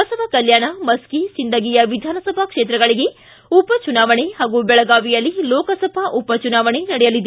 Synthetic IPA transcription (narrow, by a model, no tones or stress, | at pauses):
ɐsɐbʱɐkɐljaːɳɐmɐskisind̪ɐɡiːjɐʋid̪ʱaːnɐsɐbʱɐkʂeːt̪ɾɐɡɐɭiɡe̞ | upɐt͡ʃunaːʋɐɳehaːɡubɛɭɐɡaːʋijɐlːilɔːkɐsɐbʱɐʔupɐt͡ʃunaːʋɐɳenɐɽɛjɐlid̪